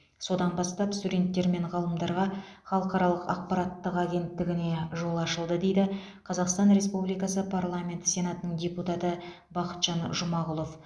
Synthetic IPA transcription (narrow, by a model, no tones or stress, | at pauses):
so̞d̪ɑnbɑst̪ɑpst̪udʲe̞nt̪ːe̞ɾme̞ɴʁɑlˠəmd̪ɑɾʁɑ | χɑlˠəqɑɾɑlˠəqɑ̰q̚pɑɾat̪ːəqaɡʲe̞nt̪ːɪɡʲɪne̞ʒo̞lˠɑʃəlˠd̪əd̪e̞jd̪ɪ | qʰɑzɑqst̪ɑnɾe̞spublijkɑsəpʰarlˠamʲe̞nt̪sʲe̞nat̪ənəɴdʲe̞put̪ɑt̪ə | bɑqə̥t̪ʒ̥ɑnʒʊmɑʁʊlˠo̞f